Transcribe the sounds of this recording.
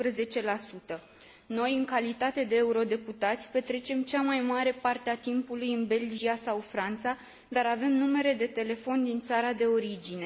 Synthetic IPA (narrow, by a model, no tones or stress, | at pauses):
pɾəze̞t͡ʃe̞lasut̪ə | no̞jɨŋkalit̪at̪e̞d̪e̞ːuɾo̞d̪e̞put̪at̪sʲpe̞t̪ɾe̞t͡ʃe̞mt͡ʃamajmaɾe̞part̪eat̪impulujɨnbe̞ld͡ʒiasawfɾant̪sa | d̪aɾave̞mnume̞ɾe̞d̪e̞t̪e̞le̞fo̞nd̪int̪saɾad̪e̞o̞ɾid͡ʒine̞